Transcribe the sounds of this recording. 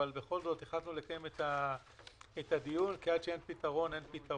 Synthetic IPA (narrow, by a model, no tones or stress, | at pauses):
albe̞χo̞lzo̞t̪eχlatnule̞kaje̞met̪a | etadijunkead̪ʃee̞npitaʁo̞ne̞npit̪a